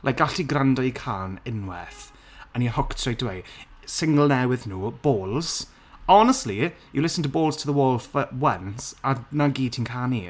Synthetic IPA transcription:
lʔa̰jk̚ɡ̥aɬiɡɾandɔjkʰaːnɪnwɛ̰θ | ənihʊktʰrejtəwejsɪŋɡəlˠnɛwɪðnuːb̥oːlˠz̥ | ɔnəstˡli | jəlɪsən̩tʰəboːlˠz̥tʰəðəwɔːlˠfəwənsanaɡiːtʰinkʰani

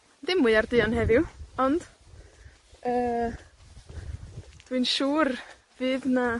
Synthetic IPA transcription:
dɪmɨɨardɨɔnhɦɛðɪwɔnd̥ | əː | d̥winʃuːr | vɨːðna

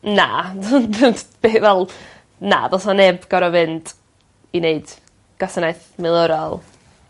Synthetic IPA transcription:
na̰ | b̥eːθvɛlˠ | na̰vɛsmanɛbɡ̥ɔɾɔvɨnd | ineɨd̥ | ɡ̥asənajθmɪlˠʊɾɔlˠ

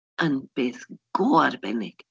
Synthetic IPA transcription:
ʔənb̥eːθɡ̥oːarbɛnɪɡ̥

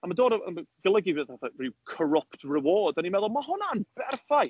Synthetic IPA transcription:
amadoːdəə̰mɡ̥əlˠəɡivðaθarɪwkʰɔɹɔptʰrɪwɔːdanimɛðɔlˠmaɦʊnanb̥ɛrfaj

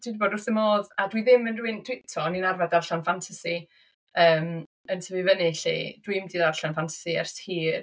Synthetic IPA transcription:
d̥idiboːdʊrθɪmoːðadwiðɪmɪnrwɪnd̥ʰwitʰɔninarvadarɬanfantʰasi | əːm | əntʰəvivənɪɬḭd̥wimdiðarɬanfantʰḁsiɛ̰rshiː

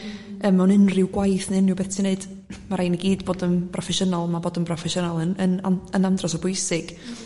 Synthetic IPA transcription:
əːmɛwnɪnrɪwɡwajθnɪnːɪwbɛtʰineɨd̥ | maɾajniɡiːdboːdənpʰrɔfɛʃənɔlˠmaboːdənpʰrɔfɛʃənɔlˠənənaənandrɔsɔbʊjsɪɡ̥

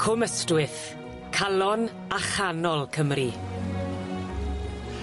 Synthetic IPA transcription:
kʰʊməstwɪθ | kʰalɔn | aχanɔlˠkʰəmri

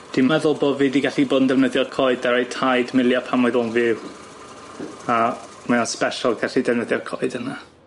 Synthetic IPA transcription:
d̥immɛðʊlˠboviːdiɡɛɬiboːdndɛvnəðjɔrkʰɔɨdaɾejtʰajdmɪlˠjapʰamʊɨðɔnvɪw | a | maanspɛʃɔlˠɡɛɬidɛvnəðjɔrkʰɔɨdəna

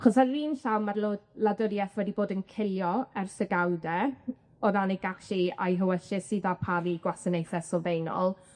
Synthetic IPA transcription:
aχɔsaːiːnɬawnmarloladəɾjɛθwɛdiboːdənkʰɪljɔɛrsəɡawdɛ | ɔðanɪɡ̥aʃia̰jɦəwəɬɪsiːðapʰaviɡwasənejθɛsɔvejnɔ̰lˠ

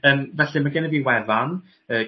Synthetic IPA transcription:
əːmvɛɬɪmaɡɛnəviːwɛðan | əː

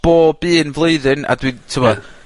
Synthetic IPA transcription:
b̥oːb̥ɨːnvlˠeɨðɨna̰dwitʰəwɔ

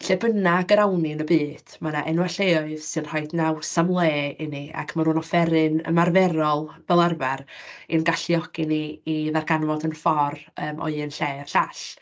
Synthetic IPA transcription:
ɬɛbənaɡəɾawnɪnəbɨːd̥manaʔɛnwaɬeɔɨðsɨnrɔɨdnawsamlˠeːɪnia̰kʰmanhuːnɔfɛɾɨnə̰marvɛɾɔlˠb̥ɛlˠarvarinɡaɬiɔɡ̥ɪniːðarɡanvɔdənfɔrəːmʔɔ̰ɨɨnɬeːr̥ɬaɬ

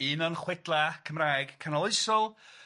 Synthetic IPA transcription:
ɨnɔnχwɪdlˠakʰəmraːjɡ̥kʰanɔlˠɨɨsɔlˠ

